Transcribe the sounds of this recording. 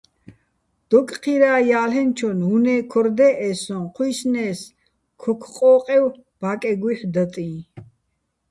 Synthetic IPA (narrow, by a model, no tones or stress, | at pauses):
d̪̥ɔkʼqʰiɾaːjaːlɛnt͡ʃʰɔnɦunɛːkʰɔɾd̪ɛʔɛsɔ̃nqʰujsnɛːs | kʰɔkʰqʼɔːqʼɛw | b̥akʼɛɡwiħd̪ət̪ʼĩː